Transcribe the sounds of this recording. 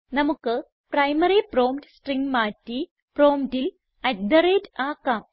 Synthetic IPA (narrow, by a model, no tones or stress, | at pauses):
nɐmukːɨ | prɐjmɐɾiproːmtɨsʈriŋɡmaːtːi | proːmtil | ɐtd̪ɐɾeːtaːkːaːm